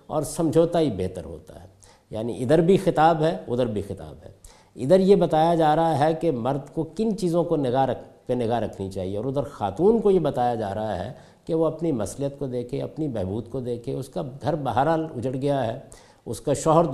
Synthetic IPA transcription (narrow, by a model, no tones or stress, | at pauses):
ɔ̰ːɾsɐ̃md͡ʒʱoːt̪aɦibeɦt̪əɾɦo̰ːt̪a̰ɦɛː | ja̰ːnḭʔɪd̪əɾbʱixɪt̪aːbɦɛʊd̪əɾbʱixɪt̪a̰ːbɦɛ̰ː | ɪd̪əɾjebɐt̪aːjad͡ʒaːɾɐɦaɦɛkemɐɾd̪kokɪnt͡ʃiːzõkonɪɡaɾɐkpenɪɡaɦɾɐkʰnit͡ʃaːɦieɔːɾʊd̪əɾxa̰ːt̪uːnkojebɐt̪aːjad͡ʒa̰ːɾɐɦaɦɛ̰ | keʋoɐpnimɐslijət̪kod̪eːkʰeɐ̰pnibɛɦbuːd̪kod̪eːkʰeʊskaɡʱɐɾbaɦaɾaːlʊd͡ʒəɽɡɐjaɦɛː | ʊskaʃɔːɦəɾ